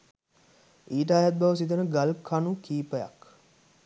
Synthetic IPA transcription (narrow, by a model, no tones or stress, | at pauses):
iːʈ̬əaːjat̪̚bɐʋəs̬it̪ənəɡalkʰanukiːpəja̰k